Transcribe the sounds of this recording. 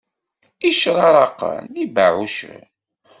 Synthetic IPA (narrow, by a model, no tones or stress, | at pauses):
iʃɾˤɑɾˤɑqːə̰nibaʕuʃə̰